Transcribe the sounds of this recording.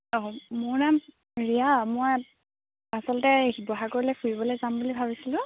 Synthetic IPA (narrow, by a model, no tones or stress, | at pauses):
ɔmʊɹnam | ɹijamɔj | asɔlɔtɛɦibɔɦakoɹilɛkʰuɹibɔlojzambulibʱabisilʊ̃